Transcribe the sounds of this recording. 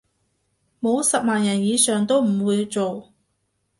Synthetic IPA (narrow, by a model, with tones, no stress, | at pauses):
mo˨˧wsɐ˨p̚maː˨njɐ˨˩njiː˨˧sœː˨ŋt̪o˥wm̩˨˩wuː˨˧jt͡so˨w